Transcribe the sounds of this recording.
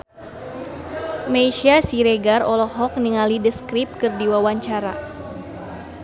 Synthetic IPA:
meʃiasiɾeɡarɔlɔhɦɔk̚niŋalidəskɾip̚kɨrdiwawaɲt͡ʃaɾa̰

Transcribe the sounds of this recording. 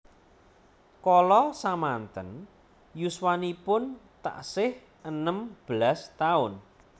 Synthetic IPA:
kɔlɔsamant̪ən | juswanipʊnt̪a̰ʔsɪh | ʔənəmb̥əlast̪aʊn

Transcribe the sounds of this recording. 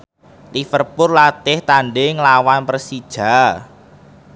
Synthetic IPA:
t̪ifərpʊrlat̪ɪht̪aɳɖɪŋlawanpɾəsid̥ʒ̥a̤

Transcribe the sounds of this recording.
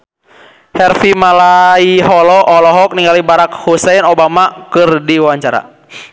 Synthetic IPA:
hɛrfimalaiɦɔlɔʔɔlɔɦɔk̚niŋɡalibaɾakhusɛnɔbamakɨrdiwawaɲt͡ʃaɾa̰

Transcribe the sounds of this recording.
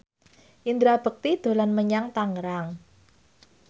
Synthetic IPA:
ʔind̪ɾab̥ə̤k̚t̪id̪̥o̤lanməɲaŋt̪aŋɾaŋ

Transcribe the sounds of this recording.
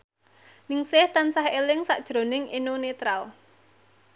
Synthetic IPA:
nɪŋsɪht̪ansahelɪŋsa̰ʔd̥ʒ̥ɾo̤nɪŋinonet̪ɾal

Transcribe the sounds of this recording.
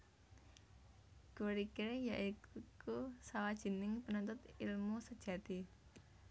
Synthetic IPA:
ɡ̥uɾikiɾjaʔikkusawad̥ʒ̥i̤nɪŋpənɔnt̪ʊt̪ilmusəd̥ʒ̥ä̤t̪i

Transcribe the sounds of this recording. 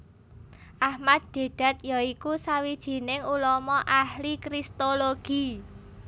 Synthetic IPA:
ʔahmad̪̚d̥e̤ɖ̥a̤t̪̚jaikusawid̥ʒ̥i̤nɪŋulɔmɔʔahlikɾist̪oloɡ̥i̤

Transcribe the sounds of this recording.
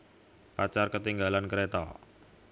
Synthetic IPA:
pat͡ʃarkət̪iŋɡalankəɾet̪ɔ̰

